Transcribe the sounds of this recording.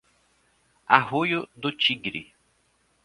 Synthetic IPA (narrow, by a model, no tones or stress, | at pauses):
a̰hojʊd̪ʊt͡ʃiɡɾɪ̰